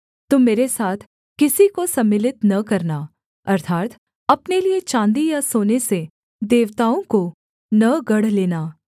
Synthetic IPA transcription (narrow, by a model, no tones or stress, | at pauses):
t̪umːeːɾesaːt̪ʰ | kɪsikosɐmːɪlɪt̪nɐkɐɾna | ɐɾt̪ʰaːt̪ | ɐpneliet͡ʃãːnd̪ijasoːnese | d̪eːʋt̪aːõko | nɐɡɐɽ̤leːnaː